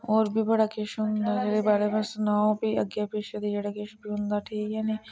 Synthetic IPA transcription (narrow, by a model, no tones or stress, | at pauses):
oːɾbʱibɐɽakeʃɦʊ̃nd̪ad͡ʒeːɽebaːɾemẽsʊnaːõbʱiɐɡjapeːʃed̪id͡ʒeːɽakeːʃbʱiɦʊ̃nd̪aʈʰiːkjaːni